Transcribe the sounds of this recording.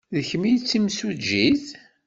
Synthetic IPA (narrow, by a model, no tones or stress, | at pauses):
ðəçmijt͡sːimsud͡ʒiθ